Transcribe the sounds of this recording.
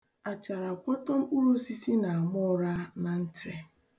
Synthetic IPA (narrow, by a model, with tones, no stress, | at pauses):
a˨t͡ʃa˨ɾa˨kʷɔ˦tɔ˦m̩˦u˦ɾo˦si˦si˦na˨a˨mʊ˦ɾa˦na˨n̩˦te˨